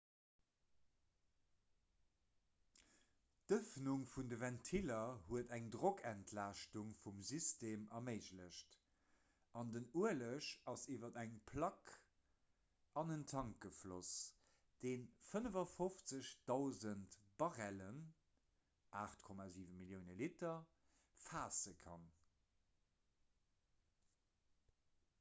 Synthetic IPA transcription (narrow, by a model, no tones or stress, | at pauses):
d̥əfnuŋfundəvɛntʰilɐhuədæŋdʁokʰæntʰlaːʃtuŋfumzisteːmɐmeɪʑləɕt | ʔɑndənuələʃɑsiːvɐdæŋpʰlɑk | ʔɑnəntʰɑŋk̚ɡəflos | d̥eːnfənəvɐfoft͡səɕd̥ɑʊzəntb̥ɑʁælən | ʔaːχtkʰɔmaːziːvəmiljəʊnəlitɐ | faːsəkʰɑn